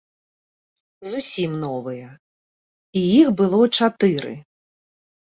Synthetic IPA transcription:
zusʲimnɔvɨjɛ | ijixbɨlˠɔt͡ʂat̪ɨɾɨ̰

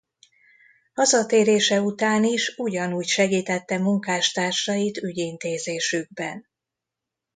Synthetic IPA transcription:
hɒzɒt̪eːɾeːʃɛut̪aːniʃuɟɒnuːcʃɛɡiːt̪ɛt̪ːɛmuŋkaːʃt̪aːrʃɒjit̪yɟint̪eːzeːʃyɡ̚bɛn

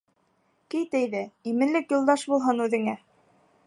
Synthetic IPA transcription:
kɘjt̪ɘjðɘimɘ̆nlɘkjŏlˠd̪ɑʃbulˠɦɤnʉðɘ̆ŋæ

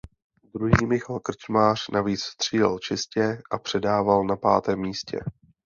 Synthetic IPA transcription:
d̪ɾuɦiːmɪxalkr̩t͡ʃmaːr̥naviːt͡sst̪r̝̥iːla̰lt͡ʃɪscɛʔapr̝̥ɛdaːvalnapa̰ːt̪ɛːmːiːscɛ̰

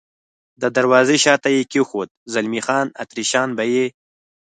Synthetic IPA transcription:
d̪əd̪aɾwɑːzeɕɑːt̪ajekixot̪̚zalmixɑːna̰t̪ɾiʃɑːnbaje

